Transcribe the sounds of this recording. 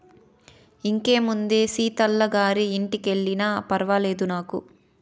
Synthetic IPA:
iŋke̞ːmund̪e̞ːsiːt̪ɐlːɐɡaːɾiːɳʈike̞ɭːinɐpɐɾɐʋɐle̞ːd̪unaːku

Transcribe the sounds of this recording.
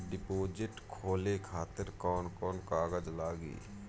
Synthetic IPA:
ɖɪpoːd͡ʒɪʈkʰoːlekʰaːt̪ɪɾkɔːnkɔːnkaːɡəd͡ʒlaːɡḭː

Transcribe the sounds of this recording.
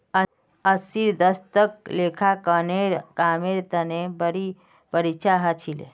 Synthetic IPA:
əsiɾd̪əst̪ək̚lekʰakəneɾkameɾt̪ənebəɾi | pəɾit͡ʃʰaɦət͡ʃʰilḛ

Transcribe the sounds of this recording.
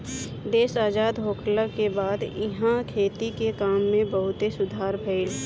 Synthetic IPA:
d̪eːsaːd͡ʒaːd̪ɦoːkʰləkebaːd̪ɪɦãkʰeːt̪ikekaːmːẽbəɦʊt̪esʊd̪ʱaːɾpʰeɪl

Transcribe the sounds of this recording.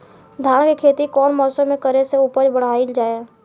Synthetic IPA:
d̪ʱaːɽkekʰeːt̪ikɔːnmɔːsəmːẽkəɾeseuːpəɾbəɽ̤aːild͡ʒaːjaː

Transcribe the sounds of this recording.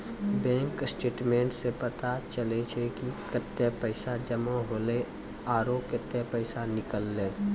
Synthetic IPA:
bɛ̃ːŋksʈeːʈmẽːɳʈsepət̪at͡ʃəlet͡ʃʰekikət̪ːepəɪsad͡ʒəmãɦoːle | aːɾoːkjət̪ːjepəɪsanɪkəlːẽː

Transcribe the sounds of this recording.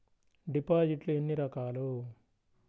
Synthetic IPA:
ɖipaːd͡ʒiʈluenːiɾɐkaːlu

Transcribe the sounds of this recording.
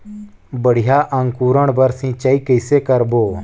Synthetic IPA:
bəɽ̤ijaʔə̃ŋkuːɾəɳ̃bəɾsĩt͡ʃaikəjsekəɾboː

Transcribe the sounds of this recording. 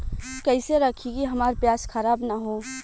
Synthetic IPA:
kəɪseɾəkʰiɡiɦɐmaːɾpjaːskʰəɾaːbnaɦo

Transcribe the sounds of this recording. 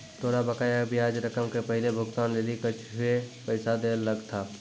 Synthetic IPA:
t̪ʰoːɾabəkaːjabijaːd͡ʒɾəkəmkepəɦɪlebʱʊɡt̪aːnleːlikət͡ʃʰɦʊepəɪsad̪eːlːəɡt̪ʰaː

